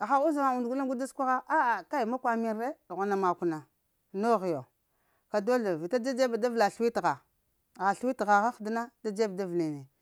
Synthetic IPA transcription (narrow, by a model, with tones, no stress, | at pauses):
xa˦u˦zma˨u˨ndɡu˦la˦ɡu˦da˦skʷa˦ɣa˦a˦a˨ka˦i˨ma˦kʷa˨mi˨˦e˦dɣa˨na˨ma˨ku˨na˨ | no˦ɣi˨jo˨ | ka˨do˦ɮa˨vi˨ta˦d͡ʒa˦d͡ʒe˦ba˨da˦vla˨ɬwi˦tɣa˨ | ɣa˨ɬwi˦tɣa˨ɣa˦xdi˦na˦da˦d͡ʒe˦bda˦vle˨ne˨